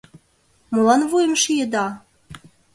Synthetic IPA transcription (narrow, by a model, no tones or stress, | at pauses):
mɤ̆lɑnvujəmʃijəd̪ɑ